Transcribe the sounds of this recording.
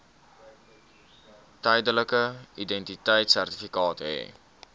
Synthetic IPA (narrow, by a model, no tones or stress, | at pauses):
təjdələkəidɛntitəjtsærti̥fikɑːtɦɛ̰ː